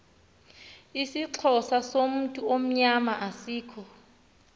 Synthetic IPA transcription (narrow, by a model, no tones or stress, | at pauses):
isiǀʰɔsasom̩tʼuom̩ɲamaʔasiːkʰɔ